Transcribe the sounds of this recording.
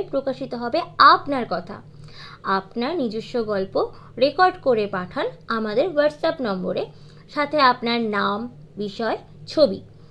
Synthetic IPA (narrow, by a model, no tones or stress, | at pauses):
pɾokaʃit̪oɦɔbeapnaɾkɔt̪ʰa̰ | apnaɾnid͡ʑuʃːoɡɔlpo | ɾekɔɾɖkoɾepaʈʰanamad̪eɾwaɾʈsapnɔmboɾe | ʃat̪ʰeapnaɾnam | biʃɔe | t͡ɕʰobḭ